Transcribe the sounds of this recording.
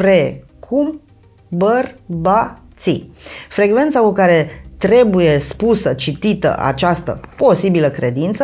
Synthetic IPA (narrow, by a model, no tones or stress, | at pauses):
ɾe | kʰum | bərbat̪sifɾe̞ɡve̞nt̪sakukaɾe̞t̪ɾe̞buje̞spusət͡ʃit̪it̪ə̰ʔa̰t͡ʃast̪ə̰po̞sibiləkɾe̞d̪int̪sə